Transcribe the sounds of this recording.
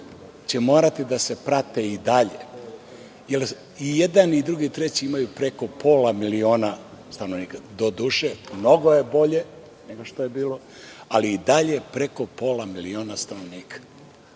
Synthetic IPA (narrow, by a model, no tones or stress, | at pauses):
t͡ɕe̞mo̞ːɾat̪id̪ase̞pɾat̪eid̪aʎe | jel | ijed̪anid̪ɾuɡit̪ɾe̞t͡ɕiimajupɾe̞ko̞po̞ːlamilio̞ːnast̪anoʋniːkad̪o̞d̪uːʃemno̞ɡo̞je̞bo̞ʎe̞ | ne̞ɡoʃt̪ojebiːlo̞ | aliːd̪aʎepɾe̞ko̞po̞ːlamilio̞ːnast̪ano̞ʋniːkʰḁ